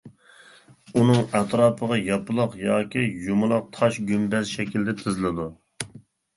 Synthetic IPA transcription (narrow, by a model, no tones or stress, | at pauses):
unɨŋɛt̪ʰɾɑːpʰəʁɑjɑpɨlˠʊqjɑːkʲʰijumʊlˠɑq̚t̪ʰɑʃɡʲymbɛzʃɛkʲild̪ɛt̪ʰɪzlˠɪd̪u